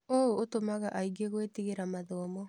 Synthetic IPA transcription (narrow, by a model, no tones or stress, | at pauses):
oootomaɣaʔaiɡeɣwetiɣeɾamaðɔːmɔ